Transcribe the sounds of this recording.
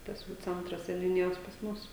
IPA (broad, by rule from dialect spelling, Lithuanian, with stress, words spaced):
ˈtɐs jɛʊ ˈt͡sʲɛntrɐs sʲɛnʲʊˈnʲɪjoːs pɐs ˈmʊs